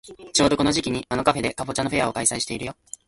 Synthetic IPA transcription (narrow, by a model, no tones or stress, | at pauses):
t͡ɕo̞ːd̪o̞ko̞noʑikʲiɲ̟iano̞kaɸe̞d̪e̞kaɸo̞t͡ɕãnːoɸe̞ao̞kaisaiɕi̥t̪e̞iɾɯjo̞